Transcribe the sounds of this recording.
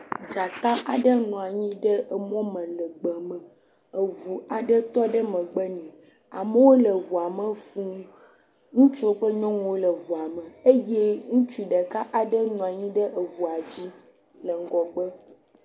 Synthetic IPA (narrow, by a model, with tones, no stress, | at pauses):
d͡ʒa˨ka˦ʔa˨ɖə˦nũ˨a˨ɲĩ˦ɖə˦ə˨mɔ̃˦mə̃˨lə˨ɡ͡bə˨mə̃˨ | ə˨vu˨a˨ɖə˦t̪ɔ˦ɖə˦mə̃˨ɡ͡bə˦nĩ˨ | a̰˨mə˦wo˦lə˨vu˨a˨mə˦fũ˦ | ŋũ˦t͡ʃo˦ɸə˦ɲɔ̃˦ŋũ˨wo˦lə˨vu˨a˨mə̃˨e˦je˦ŋũ˦t͡ʃu˦ɖə˨ka˦ʔa˨ɖə˦nũ˨a˨ɲĩ˦ɖə˦ʔə˨vu˨a˨d͡ʑi˦ | lə˨ŋ̩˨ɡɔ˨ɡ͡bə˦